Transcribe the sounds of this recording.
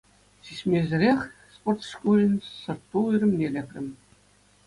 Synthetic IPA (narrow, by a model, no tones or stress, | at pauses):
ɕiɕʲmʲezʲɘ̆ɾʲexʲsport̪ʂkulʲɘ̆nʲsɤ̆rt̪ːuyɾʲɘ̆mnʲelʲekʲrʲɘ̆mʲ